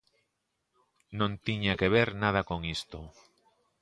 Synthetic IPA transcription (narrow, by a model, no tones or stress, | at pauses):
nõnt̪iɲakeβ̞eɾnað̞akoŋist̪o